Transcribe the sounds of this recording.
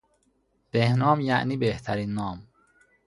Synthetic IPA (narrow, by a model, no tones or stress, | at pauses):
b̥ehnɒːmjæʔniːbeht̪ʰæɾiːnːɒːm